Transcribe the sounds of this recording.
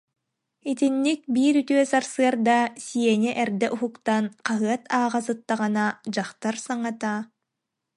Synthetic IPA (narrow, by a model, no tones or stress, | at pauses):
it̪inːik̚biːɾyt̪yœsaɾsɯɐɾd̪asiɛniʔɛɾd̪ɛʔuɦukt̪anqaɦɯɐt̪ʰaːʁas̬ɯt̪ːaʁɯnad͡ʑaχt̪aɾsaŋat̪aː